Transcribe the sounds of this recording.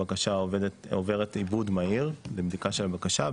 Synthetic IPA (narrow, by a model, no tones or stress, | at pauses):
akaʃadtove̞ʁetibud̪maiʁlebdikaʃelabakaʃa